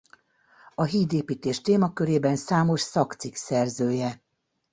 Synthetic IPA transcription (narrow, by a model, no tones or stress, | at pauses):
ɒɦiːd̪eːpiːt̪eːʃt̪eːmɒkøɾeːbɛnsaːmo̞ʃsɒkt̪siksɛrzøːjɛ